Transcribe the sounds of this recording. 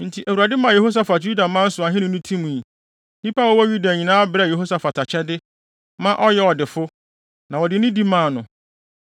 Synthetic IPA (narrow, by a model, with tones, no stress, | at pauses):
n̩˨tʰi˨ʔæ˨wu˨ɾa˨dɪ˦mã˨je˨ho˦s̬a˨fa˨d͡ʑu˦da˨mã˦n̩˦sʊ˨a˨ɦɪ̃˦nʊ̃˨˦nʊ̃˦tʰĩ˦mũ˨i˨ | nĩ˦pa˦wɔ˦wɔ˦ju˦da˨ɲĩ˨nãː˦a˦bɾɛ˦˨je˨ɦo˦sa˨fa˨tʰa˨t͡ɕʰɛ˦dɪ˦ | mã˦ʔɔ˦jɛ˦ɔ˨dɪ˨fʊ˦ | nã˨wɔ˨dɪ˨˦nʊ̃˦di˦mã˨nʊ̃˨